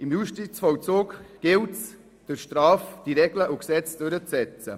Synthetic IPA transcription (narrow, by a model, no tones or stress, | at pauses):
ɪmjuʃtisfɔwt͡soːkɡ̥ɪlts | d̥əɾʃtɾaːfd̥iɾɛɡləʔuksɛt͡sd̥øɾət͡ssɛt͡sə